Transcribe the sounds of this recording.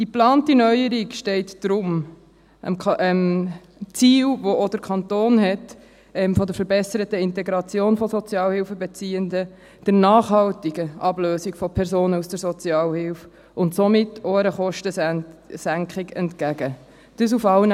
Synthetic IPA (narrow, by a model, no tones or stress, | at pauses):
d̥iplɑːntinœʏəɾikʃtɛɪtd̥ɾʊm | ə̰mm | t͡siːlʋoʔod̥əɾkʰχɑnt̪oːnɦɛt | ɛmfɔd̪əɾfəɾbɛsəɾətəɪntɛɡɾɑt͡sjoːnfɔsɔt͡sjɑːlhɪlfəbɛt͡siːəndə | d̥əɾnɑːχhɑltiɡəʔɑbløːsikfɔpʰɛɾsoːnəusd̥əɾsɔt͡sjɑːlhɪlf | ʊntsomɪtːoəɾəχɔʃtəsæŋkχɪɡɛntkæɡə | d̥əs̬ufɑln